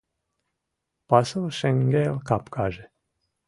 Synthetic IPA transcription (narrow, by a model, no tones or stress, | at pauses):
pasɨlˠʃɛŋɡelkapkʰaʒe